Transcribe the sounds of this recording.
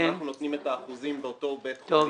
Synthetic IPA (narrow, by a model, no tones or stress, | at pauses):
naχnunot̪nimet̪aːχuzimbeot̪o̞beto